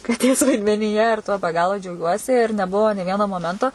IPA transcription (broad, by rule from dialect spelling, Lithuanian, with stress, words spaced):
kɐˈtʲeːs ʋɐɪdʲmʲɛnʲiːˈjɛ ɪr tuɔ bʲɛ ˈɡɑːlˠoː d͡ʒʲɛʊˈɡʲuɔsʲɪ ɪr nʲɛˈbʊʋoː nʲeː ˈʋʲiɛnoː moːˈmʲɛntoː